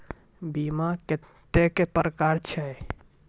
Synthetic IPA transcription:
bimakɪt̪ːekepəɾəkaɾt͡ʃʰɛ

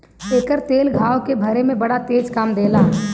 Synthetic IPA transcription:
eːkəɾt̪eːlɡʱaːwkebʱəɾemẽbɐɽat̪eːd͡ʒkaːmd̪eːlaː

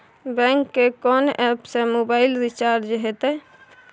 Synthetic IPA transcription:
bɛ̃ːŋkːekɔːnɛːpsemoːbaːɪlɾɪt͡ʃaːɾd͡ʒɦet̪ɛ

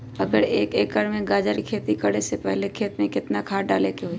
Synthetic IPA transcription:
ɐɡəɾeːkeːkəɾmẽɡaːd͡ʒəɾikʰeːt̪ikəɽesepɛɦlekʰeːt̪mẽkɪt̪nakʰaːɖa̰ːlekeɦoi

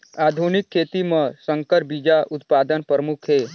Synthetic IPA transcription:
aːd̪ʱunɪkʰːeːt̪imə̃sə̃ŋkəɾbid͡ʒaʔʊt̪paːd̪ənpɾəmukʰɦeː

